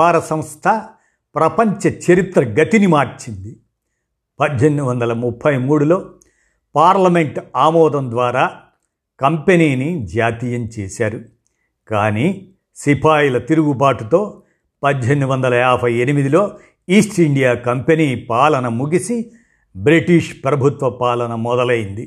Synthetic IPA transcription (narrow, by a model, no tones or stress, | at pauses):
aːɾɐsɐmst̪ʰɐ | pɾɐpɐɲt͡ʃɐt͡ʃɐɾit̪ɾɐɡɐt̪inimaːɾt͡ʃind̪i | pɐd̪ɦenːuʋɐnd̪ɐlɐmupʰːɐjmuːɽulo̞ː | paːɾlɐme̞ɳʈaːmɔːd̪ɐmd̪ʋaːɾaː | kɐmpeniːnid͡ʒaːt̪ijɐmt͡ʃeːsaːɾu | kaːniː | sipʰaːjilɐt̪iɾuɡupaːʈut̪o̞ː | pɐd͡ʒɦe̞nːuʋɐnd̪ɐlɐaːbʱɐje̞nimid̪ilo̞ː | iːsʈiɳɖijaːkɐmpeniːpaːlɐnɐmuɡisi | bɾiʈiʂpɾɐbʱut̪ʋɐpaːlɐnɐmɔd̪ɐlɐjind̪i